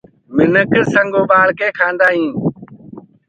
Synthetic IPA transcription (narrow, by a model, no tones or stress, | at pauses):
mɪnəkəsəŋɡoːɓaːɭkeːkʰãːnd̪aːɦĩː